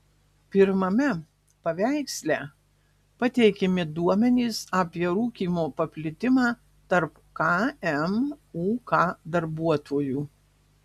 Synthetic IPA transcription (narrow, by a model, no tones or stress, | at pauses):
pʲɪɾmɐmʲɛ | pɐʋʲæɪksʲlʲæː | pɐt̪ʲɛɪkʲɛmʲɪd̪uɔmʲɛnʲiːsɑːpʲiɛɾuːkʲiːmoːpɐpʲlʲɪt̪ʲɪmɑː | t̪ɐɾp | kɑɛmuːkɑːd̪ɐɾbuɔt̪ʰoːjuː